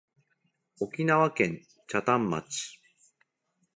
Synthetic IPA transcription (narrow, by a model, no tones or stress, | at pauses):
o̞kʲinaβakẽ̞ɲ | t͡ɕat̪ãmːa̰t͡ɕi̥